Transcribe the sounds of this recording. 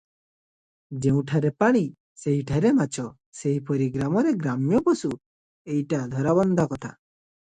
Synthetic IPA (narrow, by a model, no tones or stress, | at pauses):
d͡ʒeũʈʰaɾepaɽ̃i | seɦiʈʰaɾemat͡ʃʰɔ | seɦipɔɾiɡɾamɔɾeɡɾamjɔpɔsu | ejʈad̪ʱɔɾaβɔnd̪ʱɔkɔt̪ʰa